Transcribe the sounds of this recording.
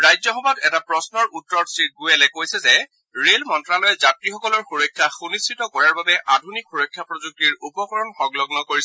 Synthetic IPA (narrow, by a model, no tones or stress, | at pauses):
ɹajzɔxɔbatɛtapɹɔsnɔɹutːɔtsɹit̚ɡujɛlɛkojsɛzɛ | ɹelmɔntɹalɔjɛzatɹixɔkɔlɔɹxuɹɔjkʰːjaxunistitɔkɔɹaɹbabɛʔadʱunikxuɹɔjkʰːjapɹɔzuk̚tiɹupɔkɔɹɔnxɔɡlɔɡnɔkoɹisɛ